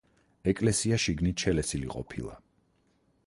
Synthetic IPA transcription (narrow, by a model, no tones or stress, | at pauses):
ɛkʼlɛsiaʃiɡnit̪ʃʰɛlɛsilḭqʼɔ̰pʰḭlˠa̰